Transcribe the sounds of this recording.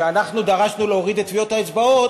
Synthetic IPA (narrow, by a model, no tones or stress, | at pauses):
eanaχnud̪aʁaʃnuleoʁid̪et̪ːvijo̞t̪haet͡sbao̞t